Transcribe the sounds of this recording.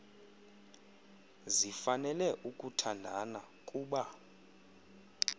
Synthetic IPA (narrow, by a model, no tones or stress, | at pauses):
zifanɛlɛʔukʼutʰandʱana | kʼuːɓa